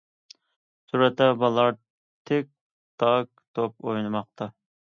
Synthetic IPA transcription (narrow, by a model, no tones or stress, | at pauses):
suɾɛt̪ːɛbɑlˠɑɾ | t̪ʰek̚ʲ | d̪̥ɑk̚t̪ʰop̚ojnɨmɑqt̪ʰɑ